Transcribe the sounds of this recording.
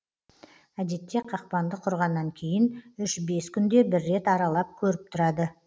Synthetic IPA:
æd̪e̞t̪ːe̞qʰɑq̚pɑnd̪əqʰʊɾʁɑnːɑŋkʲʰe̞jɪnʏʃbe̞skʲʰʏnd̪e̞bɪɾːe̞t̪ɑɾɑlˠɑp̚kʲʰɵɾɪp̚t̪ʰʊɾɑd̪ə

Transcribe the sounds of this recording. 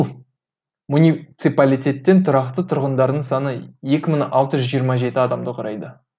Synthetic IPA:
munʲit̪sɨpalʲijt̪ʲe̞t̪ːe̞nt̪ʰʊɾɑqt̪ət̪ʰʊɾʁənd̪ɑɾd̪əɴsɑnəje̞kʲɪməɴɑlˠt̪əʒʒijəɾmɑʒe̞t̪ɪɑd̪ɑmd̪əqʰʊɾɑjd̪ə

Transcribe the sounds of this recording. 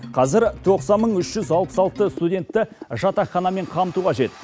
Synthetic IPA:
qʰɑzɪɾt̪ʰo̞qsɑnməɴʏʃʒ̥ʏzɑlˠpə̥sɑlˠt̪əst̪udʲe̞nt̪ːɪʒɑt̪ɑχːɑnɑme̞ɴqʰɑmət̪uqɑʒe̞t̪

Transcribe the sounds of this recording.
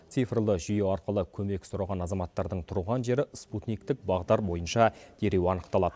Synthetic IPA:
t̪sijfrlˠəʒʏjeɑɾqəlˠəkʲʰɵme̞ksʊɾɑʁɑnɑzɑmɑt̪ːɑɾd̪əɴt̪ʰʊɾuʁɑnʒe̞ɾɪsput̪nijk̚t̪ɪk̚bɑʁd̪ɑɾbo̞jənʃɑd̪̥e̞ɾe̞wɑnəqt̪ɑlˠɑd̪̥ə

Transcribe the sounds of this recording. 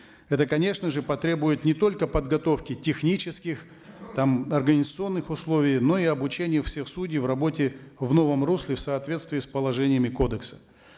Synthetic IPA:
ɛt̪əkɐnʲe̞ʂnəʐɨpɐt̪ɾʲe̞bʊjɪt̪nʲɪt̪o̞lʲkəpəd̪ɡɐt̪o̞fkʲɪtʲɪxnʲit͡ɕɪskʲɪx | t̪amɐrɡənʲɪzət̪sɨo̞nːɨxʊslˠovʲɪjno̞iɐbʊt͡ɕenʲɪjəfsʲe̞xsudʲijvrɐbo̞tʲɪvno̞vəmruslʲɪfsəɐt̪vʲe̞t̪st̪vʲɪːspəlˠɐʐɛnʲɪjəmʲɪko̞d̪əksə̥

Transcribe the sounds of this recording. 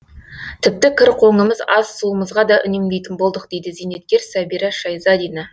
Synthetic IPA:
t̪ʰɪp̚t̪ɪkʲʰɪɾqʰo̞ɴəməzɑz̥suəməzʁɑd̪ɑʔʏ̰ne̞md̪e̞jt̪ɪnbo̞lˠd̪əq̚d̪̥e̞jd̪ɪzene̞t̪̚kʲe̞ɾsæbiɾɑʃɑjzɑd̪ijnɑ

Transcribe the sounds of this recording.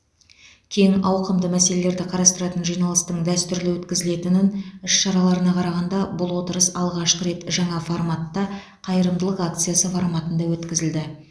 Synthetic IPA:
kʲʰe̞jɪŋɑwqəmd̪əmæse̞le̞le̞ɾd̪ɪqʰɑɾɑst̪əɾɑt̪ənʒijnɑlˠəst̪əɴd̪æst̪ʏɾlɪwɵt̪kʲɪzɪle̞t̪ɪnɪnʏʃʃɑɾɑlˠɑɾənɑqʰɑɾɑʁɑnd̪ɑbʊlˠwot̪əɾəsɑlˠʁɑʃqəɾe̞t̪ʒɑɴɑformat̪ːɑ | qʰɑjəɾəmd̪əlˠəqak̚t̪sɨjasəfoɾmɑt̪ənd̪ɑwɵt̪kʲɪzɪld̪ɪ

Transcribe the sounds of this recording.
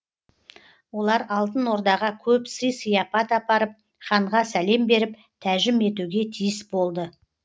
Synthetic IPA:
wo̞lˠɑɾɑlˠt̪ənwo̞ɾd̪ɑʁɑkʲʰɵpsəjsəjɑpɑt̪ɑpɑɾəp̚ | χɑɴʁɑsæle̞mbe̞ɾɪp | t̪ʰæʒɪme̞t̪uɡʲe̞t̪ʰijɪsbo̞lˠd̪ə

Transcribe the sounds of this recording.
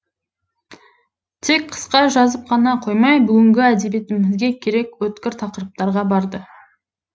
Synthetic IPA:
t̪ʰe̞k̚qʰə̥sqɑʒɑzəp̚qʰɑnɑqʰojmɑjbʏɡʲɪŋɡʲɪæd̪e̞bet̪ɪmɪzɡʲe̞kʲʰe̞ɾe̞kwɵt̪kʲɪɾt̪ʰɑqəɾəp̚t̪ɑɾʁɑbɑɾd̪ə

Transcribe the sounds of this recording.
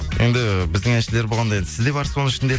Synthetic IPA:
je̞̰nd̪ɪbɪzd̪ɪŋeʃele̞ɾboʁɑnd̪ɑjed̪ɪ̥sɪzd̪e̞bɑɾsoəŋɪʃɪnd̪e

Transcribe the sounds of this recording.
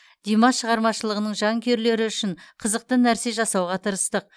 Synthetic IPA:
d̪̥imɑʃəʁɑɾmɑʃəlˠəʁənəɴʒɑŋkʲe̞ɾle̞ɾɪʏʃɪɴqʰəzəq̚t̪ənæɾse̞ʒɑsɑwʁɑt̪ʰəɾəst̪əq̚

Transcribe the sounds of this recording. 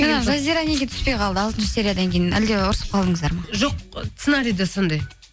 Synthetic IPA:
enɑʒazʲijɾane̞ɡʲe̞t̪ʰʏ̥spe̞jqʰɑlˠd̪əɑlˠt̪ənʃə̥se̞ɾʲijad̪ɑŋkʲʰe̞jɪnæ̰ld̪e̞ʊɾəsəp̚qʰɑlˠd̪əɴəzd̪ɑɾmɑʒoq̚t̪senɑɾijd̪eso̞nd̪ɑj

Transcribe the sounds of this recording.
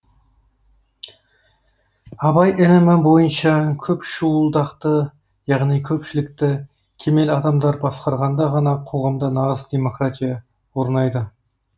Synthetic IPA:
ɑbɑjɪlɪmɪbo̞jənʃɑkʲʰɵpʃuəlˠd̪ɑqt̪ə | jɑʁnijkʲʰɵpʃɪlɪk̚t̪ɪ | kʲʰe̞me̞lɑd̪ɑmd̪ɑɾbɑsqɑɾʁɑnd̪ɑʁɑnɑqʰo̞ʁɑmd̪ənɑʁəzd̪e̞mo̞krat̪ʲijɑ | wo̞ɾnɑjd̪ə

